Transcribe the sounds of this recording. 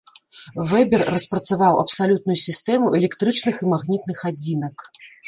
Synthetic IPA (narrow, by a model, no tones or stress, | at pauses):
vɛbʲɛrːɐspɾɐt̪savawɐpsalʲut̪̚nujusʲist̪ɛmuʔɛlʲɛkt̪ɾɨt͡ʂnɨximaɣnʲit̪̚nɨxad͡zʲinɐk